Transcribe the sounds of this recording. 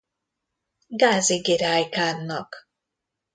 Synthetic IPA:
ɡaːziɡiɾaːjkaːnːɒk

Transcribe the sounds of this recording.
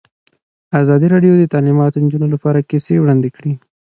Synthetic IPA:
azɑd̪iɾɑɖjod̪ət̪alimɑt̪ond͡ʒunolapɑɾakisewɽɑnd̪ekɽi

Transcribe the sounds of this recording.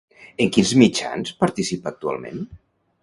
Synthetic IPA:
eŋkinzmit͡ʃa̰nspəɾt̪isipak̚t̪ua̰lˠmḛ̃n

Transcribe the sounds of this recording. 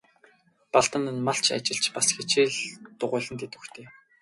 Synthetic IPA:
paɮt̪ə̆nə̆nmaɬt͡ɕʰa̰t͡ɕɪ̆ɬt͡ɕpasxet͡ɕiːɮt̪ʊʁʊ̟ːɮə̆nt̪ʰet̪u̥xt̪ʰeː

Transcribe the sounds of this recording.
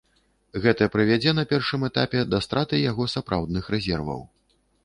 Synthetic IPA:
ɣɛt̪ɐpɾɨvʲad͡zʲɛnɐpʲɛrʂɨmɛt̪apʲɛd̪ɐst̪ɾat̪ɨjaɣɔsapɾʔawd̪nɨxɾɛzʲɛrvɐ̰w

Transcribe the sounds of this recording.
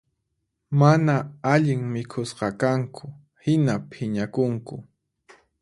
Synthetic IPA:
manaaʎɪŋmɪkʰʊsqɑkaŋkʰʊ | hɪnapʰɪɲakʊŋkʊ

